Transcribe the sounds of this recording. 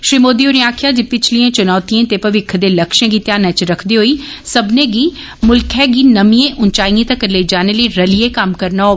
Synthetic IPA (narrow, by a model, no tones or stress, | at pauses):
ʃɾiːmoːd̪iuɾĩaːkʰijad͡ʑipɪt͡ʃʰliẽt͡ʃɐnɔːt̪iẽt̪eːpɐʋɪkʰd̪elɐkʃẽɡit̪jaːnə̃t͡ʃɾɐkʰd̪iɦoisɐbʱnẽɡi | mʊlkʰeɡinɐmiẽʔʊnt͡ʃaːĩẽt̪ãkːɐɾled͡ʒaːnəliɾɐliekaːmkɐɾnao